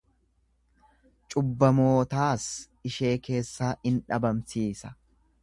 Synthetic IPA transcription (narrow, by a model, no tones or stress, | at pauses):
t͡ʃʼʊbːɐmo̞ːt̪aːs | ɪʃe̞ːke̞ːsːaːɪnᶑɐbɐmsiːsɐ̥